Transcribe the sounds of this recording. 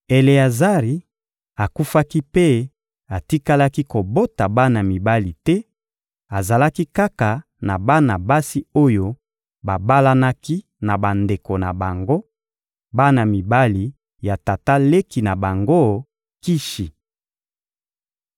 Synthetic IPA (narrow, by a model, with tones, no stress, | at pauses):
e˨le˨a˨za˦ʁi˨ | a˨ku˦fa˦ki˦pe˦ | a˨ti˦ka˦la˦ki˦ko˨bo˦ta˨ba˦na˨mi˨ba˦li˨tɛ˦ | a˨za˨la˦ki˦ka˦ka˨ | na˨ba˦na˨ba˦si˦o˦jo˦ | ba˨ba˦la˦na˦ki˦ | na˨ba˨nde˨ko˨na˨ba˨ŋɡo˦ | ba˦na˨mi˨ba˦li˨ | ja˨ta˨ta˦le˦ki˨na˨ba˨ŋɡo˦ | ki˦ʃi˨